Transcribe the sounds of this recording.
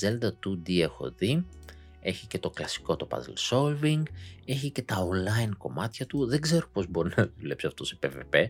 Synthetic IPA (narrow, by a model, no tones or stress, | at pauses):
ze̞ld̪ɐt̪ud̪iexo̰ði | e̞çice̞t̪o̞klɐsi̥ko̞t̪o̞pɐ̰z̰lso̞lviŋɡe̞çice̞t̪ɐonlɐinko̞mɐt̪çɐt̪uðe̞ɡze̞ɾo̞po̞zbo̞ɾinɐðule̞psiɐft̪osepeve̞pe̞